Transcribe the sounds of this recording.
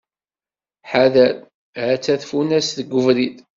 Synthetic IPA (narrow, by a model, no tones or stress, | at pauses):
ħaðæl | ʕæt͡sːæθfunæsðəɡʷːəvɾid̪